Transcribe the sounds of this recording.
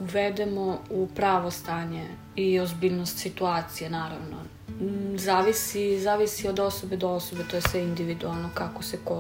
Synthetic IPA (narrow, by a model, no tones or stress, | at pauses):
uʋed̪emoupɾaːʋo̞st̪aːɲe | iozbiːlnost̪sit̪uaːt̪sijenaːɾaʋno̰ | zaːʋisizaːʋisiod̪o̞so̞bed̪oosobet̪oːjesʋeind̪iʋid̪ualˠnokakoseko